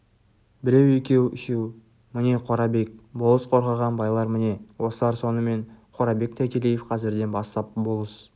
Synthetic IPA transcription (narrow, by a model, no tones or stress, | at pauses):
bɪɾe̞wekʲe̞wɪ̰ʃew | mɪne̞qʰo̞ɾɑbe̞k̚bolˠəsqʰo̞ɾʁɑʁɑnbɑjlˠɑɾmɪne̞wo̞səlˠɑɾso̞nəme̞nqʰo̞ɾɑbe̞k̚t̪ʰækʲe̞lijefqʰɑzɪɾd̪e̞nbɑst̪ɑp̚bolˠəsə̥